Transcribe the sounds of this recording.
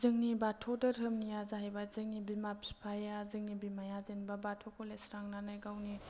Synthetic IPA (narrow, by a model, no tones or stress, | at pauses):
zɯŋnibatʰɔdɯɾɦɯmnijazaɦajbazɯŋnibimapʰi̥pʰajazɯŋnibimajazenbabatʰokʰolesɾaŋnanɯjɡawni